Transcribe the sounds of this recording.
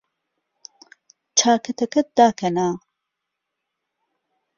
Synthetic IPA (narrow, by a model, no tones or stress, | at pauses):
t͡ʃʰaːkʰɐt̪ʰɐkɐt̪̚d̪aːkʰɐnaː